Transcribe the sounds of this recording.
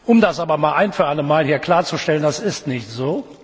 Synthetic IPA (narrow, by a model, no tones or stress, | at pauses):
ʔʊmdasʔaːbɐmaːlʔaɪnfyːɐʔaləmːaːlhiːɐkl̥aːɐt͡suʃtɛləndasɪstnɪçtz̥oː